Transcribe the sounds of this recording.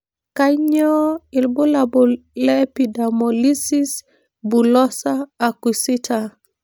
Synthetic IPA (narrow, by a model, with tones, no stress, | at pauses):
kaɲɔ˦i˨lbu˦labulɛpidamoli˦si˦s | bu˨lɔ˦saː˨ku˨sitʰa